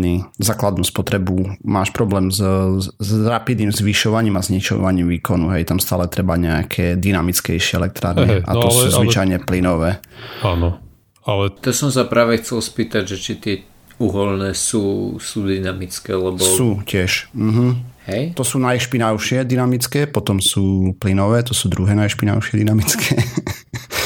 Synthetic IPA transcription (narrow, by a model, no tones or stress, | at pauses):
niːzaːklad̪nuːspɔt̪ɾɛbumaːʃpɾɔblɛːmzzɾapid̪niːmzʋiʃɔʋaɲiːmazɲit͡ʃɔ̰ʋaɲiːmʋiːkɔnuɦɛjt̪amst̪aːlɛt̪ɾɛbaɲɛakʰɛːd̪inamit͡skɛjʃɪɛɛlɛk̚t̪ɾa̰ːɾɲɛʔa̰t̪ɔluːzʋit͡ʃajɲɛplinɔʋɛːaːnɔ | alɛt̪asɔms̬apɾaːʋɛxt͡sɛlspiːt̪aɟʒɛt͡ʃit̪ɪɛ | uɦɔlnɛːsuːsuːd̪inamit͡skɛːlɛbɔsuːcɪɛʃm̩ɦm̩hɛjt̪ɔsuːnajʃpinaʊʃɪɛd̪inamit͡skɛːpɔt̪ɔmsuːplinɔʋɛːt̪ɔsuːd̪ɾuɦɛːnajʃpina̰ʊʃɪɛd̪inamit͡skʰɛː